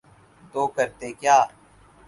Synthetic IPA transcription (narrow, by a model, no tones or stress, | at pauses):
t̪oːkəɾt̪ekjaː